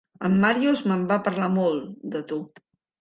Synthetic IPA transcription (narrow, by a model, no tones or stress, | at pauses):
əmːaɾjuzməmbapəɾlamɔlˠd̪ət̪u